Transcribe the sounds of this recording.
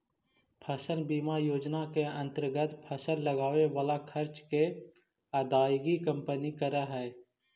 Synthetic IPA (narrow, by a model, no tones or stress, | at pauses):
pʰəsənbiːmajoːd͡ʒnakeə̃nt̪əɾɡət̪pʰəsənləɡaːʋeʋaːlakʰəɾt͡ʃke | aːd̪aːjɡikə̃mpənikəɾəɦɛː